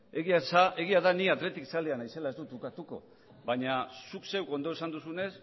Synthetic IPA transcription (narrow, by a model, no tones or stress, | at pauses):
e̞ɣiasae̞ɣ̞iaðaniat̪ɾe̞t̪iksald̪eanajse̞lae̞zd̪ut̪ukat̪uko̞̰ | βbaɲasukse̞wko̞nd̪o̞esand̪usune̞s